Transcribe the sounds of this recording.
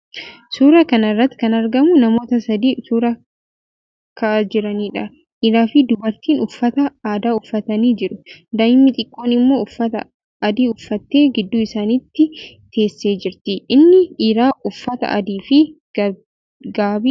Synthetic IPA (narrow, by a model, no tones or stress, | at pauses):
suːɾɐkɐnɐrːɐt̪ːɪ̥kɐnɐɾɡɐmʊnɐmo̞ːt̪ɐsɐd̪iːsuːɾɐ | kʰɐd͡ʒɪɾɐniːᶑɐ | ʔiːɾaːfɪd̪ʊbɐɾt̪iːnʊfːɐt̪ɐaːd̪aːʊfːɐt̪ɐniːd͡ʒɪɾʊd̪ɐɪmːɪt̪ʼɪkʼːoːnɪmːo̞ːʊfːɐt̪ɐ̰ | ɐd̪iːʊfːɐt̪ːe̞ːɡɪd̪ːuːɪsaːnɪt̪ːɪ | t̪ʰe̞ːsːeːd͡ʒɪɾt̪ɪʔɪnːɪiːɾaːʔʊfːɐt̪ɐ̰ʔɐ̰d̪iːfɪ | ɡaːbi